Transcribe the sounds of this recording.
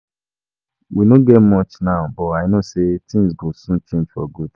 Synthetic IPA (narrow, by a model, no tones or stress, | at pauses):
winoɡɛtmɔt͡ʃnaʊbɔtaɪnosetĩŋsɡosũt͡ʃẽnd͡ʒfɔ̰ɡud̥